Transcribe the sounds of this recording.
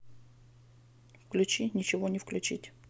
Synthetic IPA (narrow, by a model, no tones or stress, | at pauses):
fklʲʉt͡ɕinʲɪt͡ɕɪvonʲɪfklʲʉt͡ɕitʲ